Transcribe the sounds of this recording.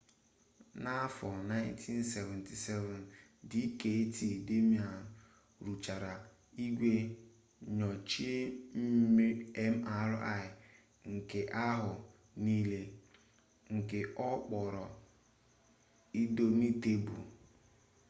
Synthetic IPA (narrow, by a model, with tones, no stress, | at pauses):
na˦fɔ˨na˦ɪ˦n˦tʰi˦nse˨vɛ̃˨ntʰi˨sɛ˦vɛ˨ndi˦ke˨e˦ti˨de˦mi˨˦a˨ | ɾu˨t͡ʃa˨ɾa˨ | i˦ɡʷe˦ | ɲɔ˨t͡ʃi˦e˦m̩˦m˦e˦m̩˦a˨ɾʔa˦˨ɪ˨ | ŋ̩˨ke˨ʔa˦ɦʊ˨ | niː˦le˦ | ŋ̩˨ke˨ʔɔ˦k͡pɔ˨ɾɔ˨ | i˦do˦ni˦te˦bu˨